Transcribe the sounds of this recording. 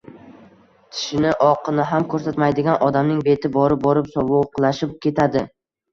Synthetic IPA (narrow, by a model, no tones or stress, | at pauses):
t̪ʰɪ̥ʃɪnɪʔɒqʰɨnɪɦamkʰɵɾsat̪majd̪ɪɡʲanʔɒd̪amnɪŋbe̞t̪ʰɪbɒɾɪp̚bɒɾɪpsɒvʊqlˠaʃɪp̚kʲe̞t̪ʰad̪ɪ